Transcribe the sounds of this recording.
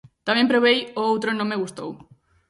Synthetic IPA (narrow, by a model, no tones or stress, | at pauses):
t̪amjempɾoβejoowt̪ɾonõmːeɣust̪ow